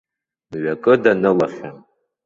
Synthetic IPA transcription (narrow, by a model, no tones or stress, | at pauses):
mɥakʼɨdanɨlaχʲa